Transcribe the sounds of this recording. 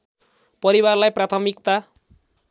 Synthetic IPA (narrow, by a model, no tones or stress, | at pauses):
pʌɾiwarlajprat̪ʰʌmikt̪a